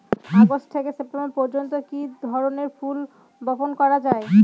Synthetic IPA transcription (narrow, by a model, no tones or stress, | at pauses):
aɡoʃʈt̪ʰekesep̚ʈemboɾpɔɾd͡ʑont̪okid̪ʱɔɾoneɾful | bɔponkɔɾad͡ʑae